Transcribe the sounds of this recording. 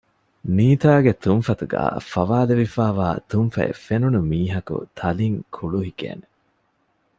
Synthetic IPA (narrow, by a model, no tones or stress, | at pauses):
niːt̪aːɡet̪unfɐt̪uɡæ̰ːfɐʋaːleʋifaːʋaːt̪unfɐ̰ḛfenunumiːɦɐkṵt̪ʰɐliŋkʰuɭuɦikḛːne